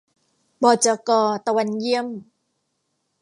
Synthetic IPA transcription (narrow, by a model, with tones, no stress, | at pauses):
bɔː˧˩t͡ɕa˧kɔː˧t̪a˧wa˧nji˥əm